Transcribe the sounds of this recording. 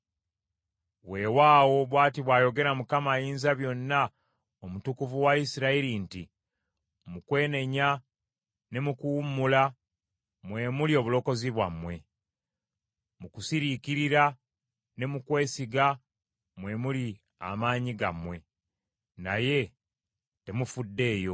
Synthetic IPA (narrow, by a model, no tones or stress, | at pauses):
βwe̞ːwaːwo̞βwaːtiβwaːjo̞ɡe̞ɾamukamajiːnzaβjo̞nːa | omutukuvuwaisiɾaiɾinti | mukwe̞ːne̞ɲa | ne̞mukuwumːula | mwe̞mulio̞ːβulo̞ko̞ziβwamːwe̞ | mukusiɾikiɾiɾa | ne̞mukwe̞ːsiɡa | mwe̞muli | a̰maːɲiɡa̰mwe̞ | naje̞ | te̞mufudːe̞ːjo̞